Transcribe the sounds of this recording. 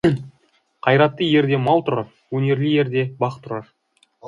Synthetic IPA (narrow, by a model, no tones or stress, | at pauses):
qʰɑjɾɑt̪ːəje̞ɾd̪e̞mɑlˠt̪ʰʊɾɑɾ | wɵne̞ɾlije̞ɾd̪e̞bɑqt̪ʰʊɾɑɾ